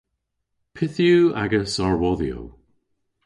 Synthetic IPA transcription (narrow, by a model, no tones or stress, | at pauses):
pʰɪθjua̰ɡəsaɹwɔðijo̰w